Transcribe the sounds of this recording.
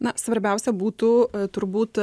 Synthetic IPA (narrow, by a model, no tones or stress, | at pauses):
nɐsʋɐɾʲbʲɛˑʊsʲɛbuːt̪ut̪ʊɾbuːt̪